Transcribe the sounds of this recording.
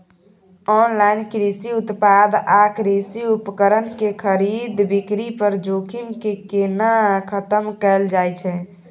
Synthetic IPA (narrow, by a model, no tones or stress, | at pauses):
ɔnlainkɾisiut̪pad̪akɾisiupkəɾənkekʰəɾid̪bikɾipəɾd͡ʒokʰimkekenakʰət̪əmkɛld͡ʒajt͡ʃʰɛ